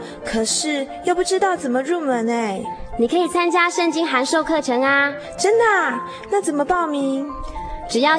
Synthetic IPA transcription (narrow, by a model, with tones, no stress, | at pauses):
kʰɤ˨˩ʂɻ̩˥˩jo˥˧ʊpu˥˩ʈ͡ʂɻ̩˥t̪ɑ˥˩ʊt͡sə˨˩nmə˦ɻu˥˩mə˨˩ne˥˩ɪni˨˩kʰə˧˥i˨˩t͡sʰa˥nt͡ɕja˥ʂə˥˩ŋt͡ɕi˥ŋxa˧˥nʂo˥˧ʊkʰɤ˥˩ʈ͡ʂʰɤ˧˥ŋa˧ | ʈ͡ʂə˥nd̪ə˨ | na˥˩t͡sə˨˩nmə˦pɑ˥˩ʊmi˧˥ŋʈ͡ʂɻ̩˨˩jɑ˥˩ʊ